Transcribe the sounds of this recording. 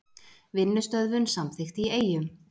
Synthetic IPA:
vɪnːʏst̪œðvʏnsamθɪxt̪ieːjʏm

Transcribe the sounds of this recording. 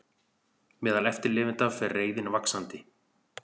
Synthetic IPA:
mɛːðalɛft̪ɪɾlɪːvɪnt̪avfɪreːjðɪnvaksant̪ɪ

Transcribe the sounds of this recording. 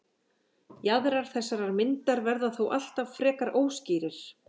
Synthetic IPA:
jaðɾaɾ̥θɛsːaɾaɾmɪnt̪aɾvɛɾðaθowʔa̰l̥t̪av̥fɾɛːkaɾʔoːwsciːɾɪɾ̥

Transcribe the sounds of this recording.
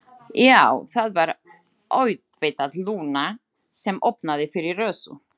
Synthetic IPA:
jawθaðvaɾ | oːɥt̪vejt̪aðluːna | sɛmʔo̰wpnaðɪfɪɾɪɾrœːsʏ̰

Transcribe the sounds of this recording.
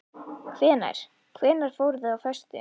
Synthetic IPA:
kʰvɛːna̰jɾ̥ | kʰvɛːnaɾ̥foːwɾðɛðawfɛst̪ɪ̰

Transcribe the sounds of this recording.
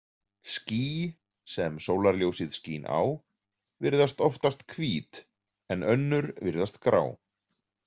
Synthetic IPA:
sciː | sɛmsoːwlaɾljowsɪðscḭːna̰w | vɪɾðast̪ɔft̪ast̪kʰviːt̪ | ɛnʔœnːʏɾvɪɾðast̪kɾa̰ːw

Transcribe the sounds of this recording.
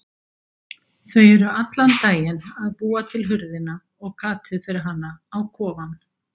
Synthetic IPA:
θœɥjɛɾʏat̪lant̪aːjɪnaðpuːat̪ʰɪlɦʏɾðɪna | ɔɣkʰaːt̪ʰɪðfɪɾɪɾɦanːaawkʰɔːvan

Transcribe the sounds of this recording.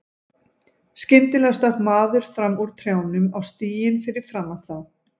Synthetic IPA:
scɪnt̪ɪlɛst̪œkmaːðʏɾ̥fɾamuɾ̥t̪ʰɾjaːwnʏmawst̪iːjɪnfɪɾɪɾ̥fɾamːawθað

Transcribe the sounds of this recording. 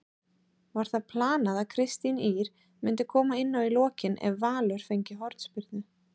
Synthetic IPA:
vaɾ̥θaðpʰlaːnaðakʰɾɪst̪iniːɾ | mɪnt̪ɪkʰɔːmaɪnːawilɔːcɪnʔɛ̰vːaːlœɾ̥fejɲcɪɦɔɾt̪spɪɾðnʏ

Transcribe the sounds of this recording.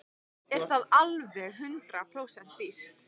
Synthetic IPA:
ɛ̥θaðalvɛɣɦʏnt̪ɾapʰɾoːwsɛn̥t̪list̪

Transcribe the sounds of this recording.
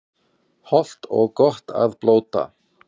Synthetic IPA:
hɔl̥t̪ɔɣkɔr̥t̪aðploːwt̪a̰

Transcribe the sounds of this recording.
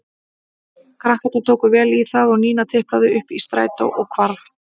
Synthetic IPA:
kʰɾahkɛt̪ːat̪ʰoːwkʏvɛːliθaðɔɣniːnat̪ʰɪhpɾaðʏʏhpist̪ɾa̰ːjt̪a̰ʔɔɣkʰvaɾθ

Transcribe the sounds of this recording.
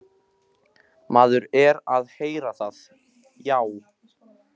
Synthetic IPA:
maːðʏɾɛɾaðheːjɾaθað | jaːw

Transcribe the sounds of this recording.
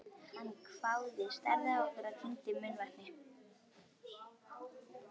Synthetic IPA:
hanːkʰfawðɪst̪aɾðaɔhkvʏɾaðt̪ʰint̪ɪmʏnvat̪nɪ

